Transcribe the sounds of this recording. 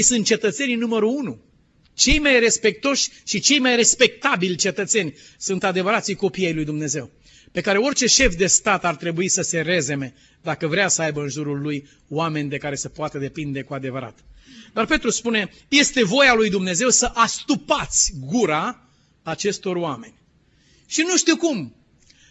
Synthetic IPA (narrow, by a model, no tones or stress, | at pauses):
jsɨnt̪̚t͡ʃe̞t̪ət̪se̞nʲnuməɾuunu | t͡ʃe̞jmajre̞spe̞k̚t̪o̞ʃʲʃit͡ʃe̞jmajre̞spe̞k̚t̪abilʲt͡ʃe̞t̪ət̪se̞nʲ | sunt̪ad̪e̞vəɾat̪sijko̞pijejlujd̪umne̞ze̞w | pe̞kaɾe̞o̞rʲt͡ʃe̞ʃe̞fd̪e̞st̪at̪art̪ɾe̞buisəse̞ɾe̞ze̞me̞ | d̪akəvɾeasəajbəɨnʒuɾulːuj | wame̞nʲd̪e̞kaɾe̞səpoat̪əd̪e̞pind̪e̞kuad̪e̞vəɾa̰t̪d̪arpe̞t̪ɾuspune̞ | je̞st̪e̞vo̞jalujd̪umne̞ze̞wsəʔast̪upat̪sʲɡuɾaː | t͡ʃe̞st̪o̞rowame̞nʲ | ʃinuʃt̪iwkum